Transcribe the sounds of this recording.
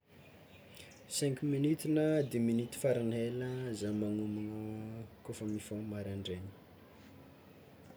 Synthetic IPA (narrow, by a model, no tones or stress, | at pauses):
sɛ̃ŋkminit̪inəd̪eminit̪i̥faɾineləzamanumanəkufəmifomaɾaɳɖ͡ʐeni̥